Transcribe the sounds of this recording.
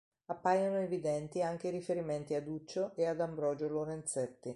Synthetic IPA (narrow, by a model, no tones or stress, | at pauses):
apːajanoevid̪ɛnt̪iaŋk̟eɾifeɾiment̪iad̪ut͡ʃːoʔead̪ambɾɔːd͡ʒoloɾent̪sɛt̪ːi